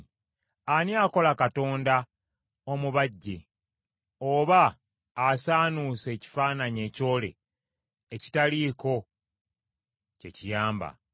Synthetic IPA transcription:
aniako̞lakato̞ːnda | omuβaɟːe̞̰ | oβaː | saːnuse̞ːci̥faːnaɲe̞ːco̞ːle̞̰ː | ci̥taliːko̞ | ce̞cijaːmba̰

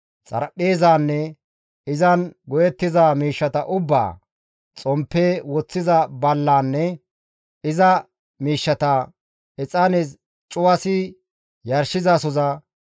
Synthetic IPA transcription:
t͡sʼɐ̰ɾɐpʼːeːzaːnːɛ | ɪzɐnɡɔjɛt̪ːɪzaːmiːʃːɐt̪ɐʔʊbːa̰ː | t͡sʼɔmpːeːwɔt͡sːɪzɐbɐlːaːnːɛ | ɪzɐ | miːʃːɐt̪ɐ | ɛt͡sʼɐnɛs | t͡ʃʼʊwɐsɪ | jɐɾʃɪzaːsɔzɐ

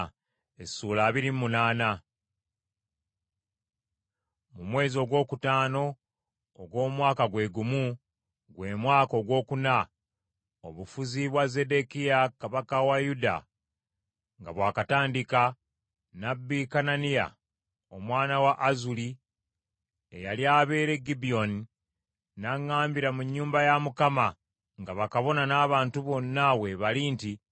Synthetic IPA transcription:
esuːlaːβiɾimmunaːna | mumwe̞ːzio̞ɡwo̞ːkutaːno̞ː | ɡwo̞ːmwaːkaɡwe̞ːɡumu | ɡwe̞ːmwaːko̞ɡwo̞ːkuna | oβufuziβwaze̞de̞kijakaβakawajuda̰ | ŋɡaβwaːkataːndika | nabːikananija̰ | o̞mwaːnawaʔːzuli | ḛjaljaβe̞ːɾe̞ɡibio̞ni | naŋːaːmbiɾamuɲːuːmbajamukama | ŋɡaβakaβo̞nanaːβaːntuβo̞nːawe̞βalinti

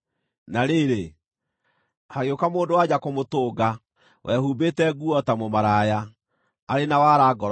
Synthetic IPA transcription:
naɾeːɾe | haɣjokamoːndowad͡ʑakomotoːɡa | wʔɛhuːbetɛɡuɔtamomaɾaja | aɾenawaɾaɡɔɾ

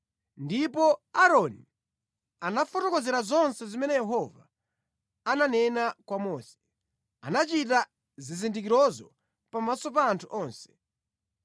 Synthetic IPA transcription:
ndipɔaɾɔni | anafɔtɔkɔzɛɾazɔnsɛzimɛnɛjɛɦɔva̰ː | nanɛnakwamɔːsɛ̥ | a̰nat͡ʃita | zizindik̬iɾɔzɔ | pamasɔp̬aːntʰuʔɔːnsɛ̥

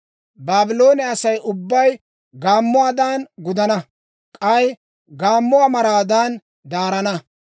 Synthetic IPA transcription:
baːbɪlo̞ːnɛɐsɐjʔʊbːɐj | ɡaːmːʊwaːd̪aːnɡʊd̪ɐnɐ | kʼɐj | ɡaːmːʊaːmɐɾaːd̪aːn | d̪aːɾɐnɐ

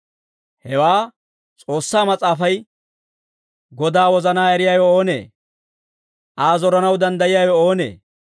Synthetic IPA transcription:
hɛwaː | t͡sʼo̞ːsːaːmɐt͡sʼaːfɐj | ɡɔd̪aːwɔzɐnaːɛɾɪjaːjɔoːnḛː | ʔaːzɔɾɐnɐwd̪ɐnd̪ɐjɪjaːjɔoːnḛː

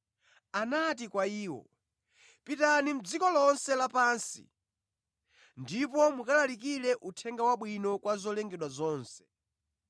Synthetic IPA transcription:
anat̬ikwaiːwɔ̰ | pitanim̩d͡zikɔlɔnsɛlapaːnsḭ | ndipɔmukalalikilɛʔutʰɛŋɡawaɓwinɔkwazɔlɛŋɡɛɗwazɔːnsɛ̥

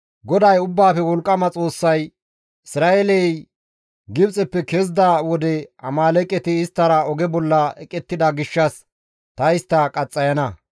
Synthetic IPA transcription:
ɡɔd̪ɐjʊbːaːfɛwɔlkʼːɐmɐt͡sʼo̞ːsːɐj | ɪsɾaːʔɛlɛj | ɡɪbt͡sʼɛpːɛkezd̪awɔd̪ɛɐ̰maːlɛkʼːɛt̪ɪːst̪ːɐɾɐɔɡɛbɔlːɐɛkʼːɛt̪ːɪd̪ɐɡɪʃːɐs | t̪ɐɪst̪ːɐkʼɐt͡sʼːɐjɐnɐ

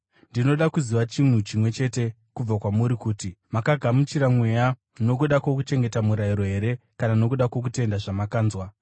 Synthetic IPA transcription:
ndino̞ɗakuziʋat͡ʃin̤ut͡ʃimwe̞t͡ʃe̞te̞ | kub͡vakwamuɾikuːtimakaɡʱamut͡ʃiɾamwe̞ja | no̞k̬uɗakwo̞kut͡ʃe̞ŋɡe̞tamuɾaiɾo̞ɦe̞ɾe̞kanano̞kuɗakwo̞k̬ute̞ndaʐamakaːnzwa

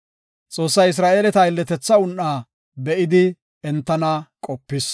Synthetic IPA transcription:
t͡sʼo̞ːsːɐjɪs̬ɾaːʔeːlɛt̪ɐɪlːɛt̪ɛt͡sːɐʊnːaː | bɛʔɪd̪ɪ | ɛnt̪ːɐnakʼɔpːɪs

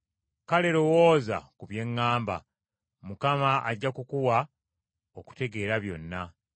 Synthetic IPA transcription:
kale̞ɾo̞woːza̰kuβje̞ŋːaːmba̰ | mukamaʔa̰ɟːakukuwa | oku̥te̞ɡe̞ːɾaβjo̞nːa

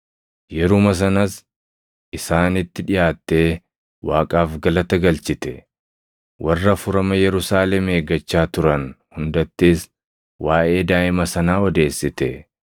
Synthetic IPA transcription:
jɛɾʊmɐs̬ɐnɐs | ʔɪsaːnɪt̪ːɪᶑɪjaːt̪ːe̞ː | waːkʼaːfɡɐlɐt̪ɐɡɐlt͡ʃɪt̪ɛ | wʔɐrːɐfʊɾɐmɐjɛɾʊsaːlɛme̞ːɡɐt͡ʃːaːt̪ʊɾɐnhʊnd̪ɐt̪ːeːs | wʔaːʔe̞ːd̪aːʔɪmɐsɐnaːɔd̪e̞ːsːɪt̪ɛ

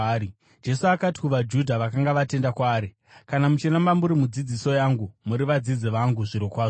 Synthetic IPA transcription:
i | d͡ʒe̞suakati̥kuʋad͡ʒudʱaʋakaŋɡaʋate̞ndakwaːɾi | kanamut͡ʃinamamuɾimud͡zid͡ziso̞jaŋɡumuɾiʋad͡zid͡ziʋaŋɡuʐiɾokwaːʐo

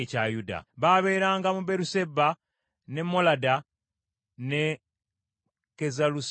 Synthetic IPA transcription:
cajuda̰βaβe̞ːɾaːŋɡamube̞ɾuse̞ba | ne̞mːolada | ne | kezalus

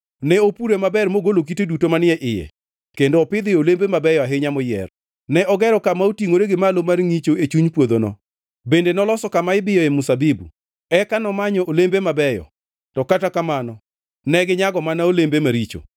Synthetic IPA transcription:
nɛopuɾemabɛɾmoɡolok̬itedutomanɪɛʔɪjɛ̰ | kendoɔpɪd̪ɪolembemabɛjɔaɦɪɲamɔjɛ̰r | nɛʔɔɡɛɾɔkamaotiŋoɾeɡɪmalomarŋit͡ʃoet͡ʃuɲpwod̪onɔ̰ | bendenɔlɔsɔkamaɪbɪjɔemusabibṵ | ɛkanɔmaɲɔolembemabɛjɔ̰ | tɔkatakamanɔ | nɛɡɪɲaɡɔmanaolembemaɾit͡ʃo̰

